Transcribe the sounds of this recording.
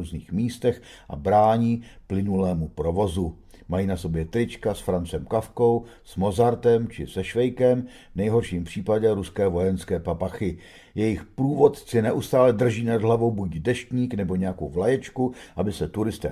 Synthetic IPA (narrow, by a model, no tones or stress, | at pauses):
uːzniːxmiːst̪ɛx | ʔa̰bɾaːɲiːplɪnulɛːmupɾo̞vo̞zu | majiːnaso̞bjɛt̪ɾɪt͡ʃkasfɾant͡sɛmkafko̞wsmo̞zaɾt̪ɛmt͡ʃɪsɛʃvɛjkɛm | vnɛjɦo̞ɾʃiːmpr̝̥iːpaɟɛɾuskɛːvo̞jɛnskɛːpapaxɪ | jɛjɪxpɾuːvo̞t̪t͡sɪnɛʔust̪aːlɛd̪r̩ʒiːnadɦlavo̞wbucdɛʃtɲiːknɛbo̞ɲɛjakowvlajɛt͡ʃkuʔabɪsɛt̪uɾɪst̪ɛ̰ː